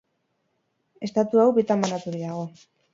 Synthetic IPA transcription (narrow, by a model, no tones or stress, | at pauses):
e̞st̪at̪uawβit̪amanat̪uðiaɣ̞o̞